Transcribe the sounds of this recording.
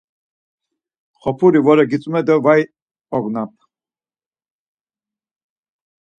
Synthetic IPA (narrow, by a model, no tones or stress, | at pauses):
χɔpʰuɾivɔɾɛɡit͡sʼumɛd̪əvaj | ɔɡnap̚ʰ